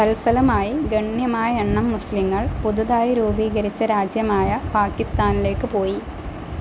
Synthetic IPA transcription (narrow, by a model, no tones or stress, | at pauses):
t̪ɐlfɐlɐmaːjiɡɐɳjɐmaːjɐeɳːɐmːusliŋːɐɭpuðuðaːjɐɾuːbiːɣɐɾit͡ɕːɐɾaːd͡ʑjɐmaːjɐpaːkːist̪aːnile̞ːkːɨpo̞ːji